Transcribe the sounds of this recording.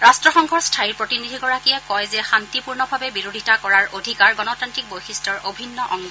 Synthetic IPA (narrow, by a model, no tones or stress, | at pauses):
ɹastɹɔxɔŋkʰɔɹstʰaiɹpɹotinidʱiɡɔɹakiɛkɔjzɛxantipuɹnɔbʱabɛbiɹodʱitakɔɹaɹodʱikaɹɡɔnɔtantɹik̚bojxistɔɹobʱinːɔʔɔŋɡ